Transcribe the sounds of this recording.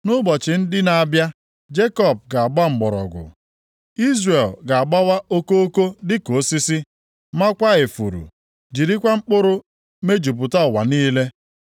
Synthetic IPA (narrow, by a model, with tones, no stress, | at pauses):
nʊ˦bɔ˨t͡ʃɪ˨n̩˦dɪ˦na˨a˦bja˦ | d͡ʒe˦kɔ˦˨p̚ɡa˨a˨ɡ͡ba˦ŋ͡m̩˨ɡ͡bɔ˨ɾɔ̰˨ɡʊ̰˨ | i˦zre˨lɡa˨a˨ɡ͡ba˦wa˦o˦ko˦o˦ko˦dɪ˦ko˨si˦si˦ | ma˦kʷa˦ɣɪ˨fṵ˨ɾṵ˨ | d͡ʒi˨ɾi˦kʷa˦ŋ͡m̩˦k͡pʊ˦ɾʊ˦ | me˦d͡ʒu˨p̬ʊ˨ta˦˨wa̰˨niː˦le˦